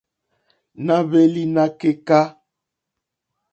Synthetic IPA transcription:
na˦be˦li˦na˦ke˦ka˦

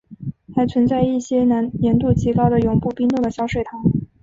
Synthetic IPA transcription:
xa˧˥ɪt͡sʰwə˧˥nt͡sa˥˧ɪi˥˩ɕjɛ˥na˧˥njɛ˧˥nt̪u˥˩t͡ɕʰi˧˥kɑ˥ʊd̪ə˨jʊ˨˧˩ŋpu˥˩pi˥ŋt̪u˥˩d̪ə˩ɕjɑ˥ʊʂwe˥˩ɪt̪ʰɑ˧˥ŋ

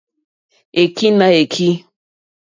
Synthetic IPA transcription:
e˨ki˦na˨e˨kʰi˦

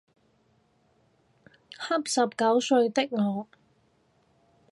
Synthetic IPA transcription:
hɐ˥p̚sɐ˨p̚kɐ˨˥wsɵ˧ɥt̪ɪ˥k̚ŋɔː˨˧

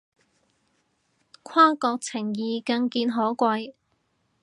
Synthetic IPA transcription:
kʷʰwaː˥kɔː˧k̚t͡sʰɪ˨˩ŋjiː˨kɐ˧ŋkiː˧nɦɔː˨˥kʷɐ˧j

